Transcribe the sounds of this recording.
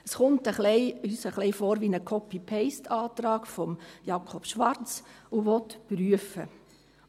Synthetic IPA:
əsχʊntəχlɛɪyːsəχlɛɪfoːɾʋinəkʰɔpipʰeɪstɑːtɾɑːɡfɔmjɑkʰɔpʃʋɑɾt͡suʋɔtpryəfə̰

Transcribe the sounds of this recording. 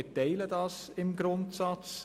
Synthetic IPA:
teɪlədɑs | ɪmɡɾʊntsɑtt͡s

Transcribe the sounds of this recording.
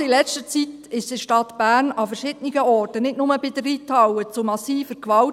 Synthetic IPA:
ilɛt͡stət͡sit̪ɪʃd̥̪ɪʃtɑt̪b̥æːɾnɑfəɾʃɪd̥niɡəɔːrtənɪtnʊməbɪd̪əriːt̪ʰɑwət͡sʊmɑsiːfəɾkʋɑ

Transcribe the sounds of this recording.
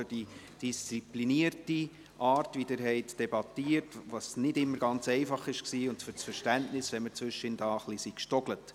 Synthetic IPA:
ʏd̥i | d̥ist͡sipliniərti | ʔɑːɾtvʋidɪɾɦɛɪtd̥ɛbɑtiəɾtʋɑsnɪdɪmːəɾɡɑnt͡sɛɪfɑχɪʃksiːʊntfʏɾt͡sfəɾʃtæntnɪsʋɛmət͡svʏʃɪndɑːəχlisikʃtɔɡ̥lət

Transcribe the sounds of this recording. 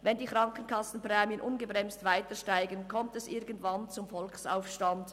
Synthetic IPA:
vɛndiːkʁɑŋkən̩kʰɑsn̩pʁɛːmjənʔʊnɡəbʁɛmstvaɪtəʃtaɪɡənkʰɔmtɛsʔɪɐɡən̩tvɑnt͡sʊmfɔlksa̰ʊfʃtand

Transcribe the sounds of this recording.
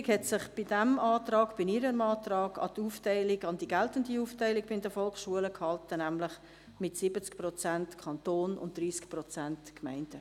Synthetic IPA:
khɛtsɪχb̥ɪdɛmɑːtɾɑːɡb̥ɪniɾəmɑːtɾɑːɡɑ̰tuːftɛɪlɪɡɑndiɡɛltəndiuːftæɪlɪɡ̚b̥ɪɪndəfɔlksʃuələkhɑltənæmlɪχ | mɪtsɪbət͡skprɔt͡sæntkʰɑntoːnʊ̰ntd̥ɾiːskprɔt͡sæntkmæɪnd̥ə

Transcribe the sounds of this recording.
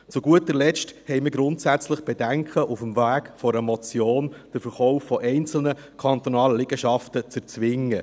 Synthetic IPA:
t͡suɡuətəɾlɛt͡ʃthɛɪmɪɾɡɾʊntsæt͡sləχb̥ɛdæŋkχəʔufəmvæːɡ̥fɔɾəmɔt͡sjoːnd̥əɾfəɾχɔʊfːɔʔɛɪnt͡sl̩nə | kʰɑnt̪ɔnɑːləlɪɡ̥əʃɑftət͡səɾt͡sʋɪŋːə

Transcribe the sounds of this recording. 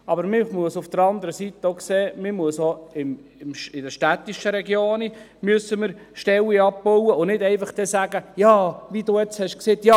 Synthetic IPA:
ɑbəɾmɪmuəsʊfd̥əɾɑnd̪əɾəsit̪əokseːmɪmuəsoɪm | ɪmʃɪdəɾʃtæt̪ːiʃəɾɛɡjoːni | myəsːəməɾʃtɛwiɑb̚bɔwəʊnɪdɛɪfɑχd̪̥ɛsæɡ̥əjɑːʋiduːɛt͡shɛʃkseːt̪jɑ

